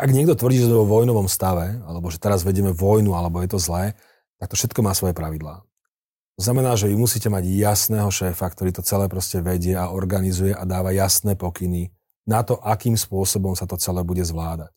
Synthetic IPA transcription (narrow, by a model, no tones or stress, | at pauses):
ʔaɡɲɪɛɡd̪ɔt̪ʋr̩dɟiːʒɛɔʋɔjnɔʋɔmst̪aʋɛalɛbɔʒɛt̪ɛɾazʋɛɟɛmɛvɔjnualɛbɔjɛt̪ɔzlɛː | t̪ak̚t̪ɔfʃɛt̪kɔmaːsʋɔjɛpɾaʋid̪laː | t̪ɔznamɛnaːʒɛʋimusiːcɛmaɟjasnɛːɦɔʃɛːfakt̪ɔɾiːt̪ɔt͡sɛlɛːpɾɔscɛʋɛɟɪɛaɔɾɡanizujɛʔad̪aːʋajasnɛːpɔkini | nat̪ɔʔakiːmspʊɔsɔbɔmsat̪ɔt͡sɛlɛːbuɟɛzʋlaːd̪ac̚